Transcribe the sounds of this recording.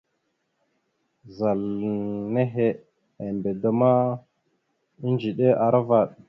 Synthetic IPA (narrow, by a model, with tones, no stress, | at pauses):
za˨lne˦ɦe˦ | a˨mbe˨da˨ma˦ | i˦nd͡ʒi˨ɗe˦ʔa˨ɾa˦va˨ɗ